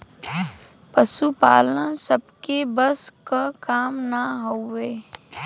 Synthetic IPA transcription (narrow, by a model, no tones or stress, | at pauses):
pəʃupa̰ːlənsəbkebəskakaːmnaɦoeː